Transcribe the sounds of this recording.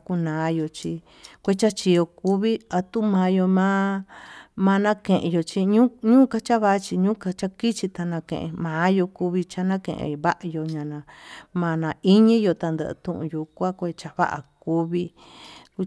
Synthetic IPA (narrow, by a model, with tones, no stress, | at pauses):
ku˧nãː˨˦jo˧t͡ʃi˧ | kʷe˦t͡ʃa˦t͡ʃi˧jo˧ku˧βi˦a˨t̪u˦˧mãː˨˦jo˧mã˦ | mã˧nã˦kẽ˨ʔjo˧t͡ʃi˦ɲũ˦ɲũː˦ka˧t͡ʃa˦βa˦ʔt͡ʃi˧ɲũː˦ka˧t͡ʃa˦ki˦t͡ʃi˧t̪a˧nã˧kḛ̃˨ʔḛ̃˧mãː˨˦jo˧ku˧βi˧t͡ʃa˧nã˦kḛ̃˨ʔḛ̃˧βa˦ʔa˧jo˧ɲã˨nã˧mã˧nã˧i˦ɲĩ˦jo˧t̪a˧nd̪ə̰˧ʔt̪ũ˦ʔṵ̃˧ju˧kʷã˦kʷe˧t͡ʃa˧βa̰˦ʔa̰˨ku˧βi˧ | ku˧